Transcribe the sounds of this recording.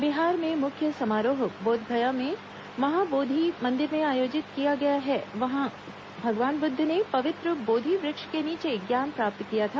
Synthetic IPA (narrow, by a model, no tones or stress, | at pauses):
biɦaːɾmẽmʊkʰjəsɐmaːɾoːɦboːd̪ʱbʱɐjamẽ | ʋɐɦãboːd̪ʱimɐ̃nd̪ɪɾmẽaːjoːd͡ʒɪt̪kijaɡɐjaɦɛʋɐɦã | bʱɐɡʋaːnbʊd̪ʱːnepɐʋɪt̪ɾəboːd̪ʱiʋɾɪkʃkeniːt͡ʃeɡjaːnpɾaːp̚t̪kijat̪ʰaː